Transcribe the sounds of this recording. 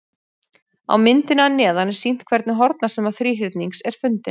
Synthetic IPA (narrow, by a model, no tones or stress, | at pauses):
a̰wmɪnt̪ɪnanɛːðanɛ̥sin̥t̪̚kʰvɛɾt̪nɪɦɔɾt̪nasʏmaθɾiːɦɪt̪niŋksɛɾ̥fʏnt̪ɪ